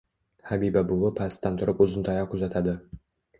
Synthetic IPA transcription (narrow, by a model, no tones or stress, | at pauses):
habibabʊlˠʊpʰast̪ːant̪ʰʊɾɪpʊzɪnt̪ʰɑjɑqʊzat̪ʰad̪ɪ